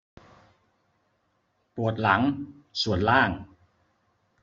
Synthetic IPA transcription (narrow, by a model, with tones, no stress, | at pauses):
pu˨˩ət̪̚la˩˦ŋ | su˨˩ənlaː˥˩ŋ